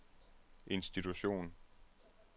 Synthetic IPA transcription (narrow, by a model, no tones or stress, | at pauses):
ʔe̝nsd̥it͡sʰuɕo̝̰ːn